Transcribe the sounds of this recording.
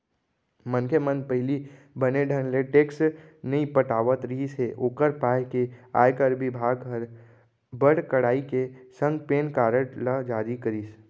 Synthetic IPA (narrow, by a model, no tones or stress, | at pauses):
mənkʰemə̃nd̪pəɦɪli | bəneɖʱənleʈeːksnɐipəʈaːʋət̪ɾəɦiseʔoːkəɾpaːjkea̰ːjkəɾbɪbʱaːɡəɾ | bəɽkəɽaːikesə̃ŋɡpeːnkaːɾəʈləd͡ʒaːɾikəɾiːs